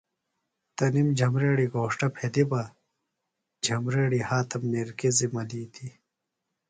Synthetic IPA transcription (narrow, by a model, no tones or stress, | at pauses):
t̪ɐnimd͡ʑʱɐmɾeːɽiɡoːʂʈɐpʰed̪ibɐ | d͡ʑʱɐmɾeːɽihaːt̪ɐmːeɾkizimɐliːt̪ʰi